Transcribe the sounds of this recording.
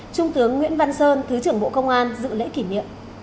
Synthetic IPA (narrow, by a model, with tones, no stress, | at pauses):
t͡ɕʊ˧ŋ͡mt̪ɨ˨˦əŋːwḭ˧˥ənva˧nsəː˧nt̪ʰɨ˨˦t͡ɕɨ˧˩əŋɓo̰˧˨kə˧wŋ͡mʔaː˧nzɨ̰˧˨lḛ˧˥ki˧˩nḭ˧˨əm